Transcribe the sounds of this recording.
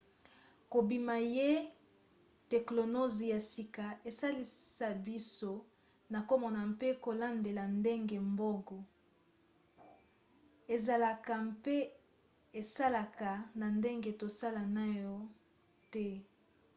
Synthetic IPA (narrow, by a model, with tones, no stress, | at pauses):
ko˨bi˨ma˨je˦ | tɛ˨klo˨no˦zi˨ja˨si˨ka˨e˨sa˦li˨sa˨bi˦so˦ | na˨ko˦mɔ˨na˨mpe˦ko˨la˦nde˨la˨nde˦ŋɡe˨mbɔ˦kɔ˨ | e˨za˨la˨ka˨mpe˦ | e˨sa˦la˨ka˨na˨nde˦ŋɡe˦to˨sa˦la˨na˦jɔ˦ | tɛ˦